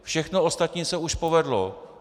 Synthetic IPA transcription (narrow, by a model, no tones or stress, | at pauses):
fʃɛxnoost̪at̪ɲiːsɛuʃpo̞vɛdlo